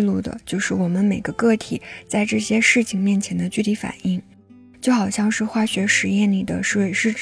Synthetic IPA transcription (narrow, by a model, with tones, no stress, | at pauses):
lu˥˩d̪ə̰˩t͡ɕjo˥˧ʊʂɻ̩˥˩wɔ˨˩mə˦nme˨˩ɪɡə˦kɤ˥˩t̪ʰi˨˩˦t͡sa˥˧ɪʈ͡ʂɤ˥˩ɕjɛ˥ʂɻ̩˥˩t͡ɕʰi˨˧ŋmjɛ˥˩nt͡ɕʰjɛ˧˥nd̪ə˧t͡ɕy˥˩t̪ʰi˧˥fa̰˨˩ni˥˩ŋ | t͡ɕjo˥˩ʊxɑ˨˩ʊɕjɑ˥˧ŋʂɻ̩˥˧xwa˥˩ɕɥɛ˧˥ʂɻ̩˧˥jɛ˥˩nli˨˩d̪ə̰˦ʂɻ̩˧˥we˧˩ɪʂɻ̩˥˩ʈ͡ʂ